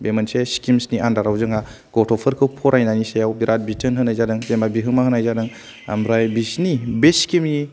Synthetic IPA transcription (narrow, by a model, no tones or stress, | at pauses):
bemanseskimsniʔandaɾawzɯŋa | ɡ̥ɔtʰɔpʰɯɾkʰɯwpʰɔɾʔajnanisejawbiɾʔat̚bitʰɯnɦɯnajzadɯŋzemabiɦɯmaɦɯnajzadɯŋ | a̰mɾajbisnibeskimi